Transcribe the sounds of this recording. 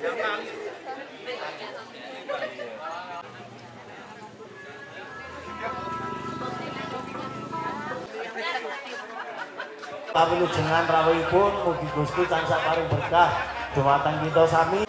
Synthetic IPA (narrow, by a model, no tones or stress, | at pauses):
lawilud̥ʒ̥ṳŋanrawɛipʊnmuɡ̥i̤ɡ̥ṳst̪it̪ansaʔpaɾɪŋb̥ərkahd̥d͡ʒ̥ʒ̥ṳmat̪ankit̪̬ɔsami